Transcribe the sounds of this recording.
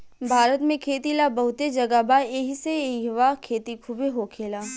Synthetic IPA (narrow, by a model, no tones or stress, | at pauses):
bʱaːɾət̪mẽkʰeːt̪ilabɐɦʊt̪ed͡ʒɐɡabaeːɦiseʋakʰeːt̪ikʰʊbeɦoːkʰeːlaː